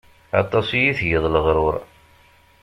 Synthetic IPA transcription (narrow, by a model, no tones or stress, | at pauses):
ɑ̰t̪ˤːɑsjiθjəðˤləʁɾʊɾˤ